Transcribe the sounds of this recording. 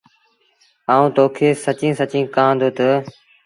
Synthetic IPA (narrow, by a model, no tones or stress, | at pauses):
aːũːt̪oːkʰeːsət͡ʃĩːsət͡ʃĩːkãːd̪oːt̪ə